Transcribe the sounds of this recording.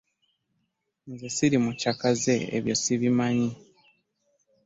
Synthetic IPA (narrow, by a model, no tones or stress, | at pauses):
nzesiɾimucakaze̞ḛβjosiβimaɲi